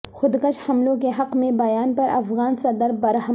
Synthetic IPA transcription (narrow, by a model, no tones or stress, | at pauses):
xʊd̪kəʃhɐmlõkeɦɐqmẽbɐjaːnpɐɾʔɐfɣaːnsɐd̪əɾbɐɾɦə